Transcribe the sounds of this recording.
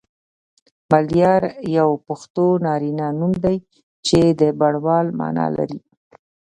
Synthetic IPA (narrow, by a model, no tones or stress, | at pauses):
maljɑɾjawpʊxt̪onɑɾinanumd̪aj | t͡ʃed̪əbaɽwɑlmɑ̰nɑ̰la̰ɾi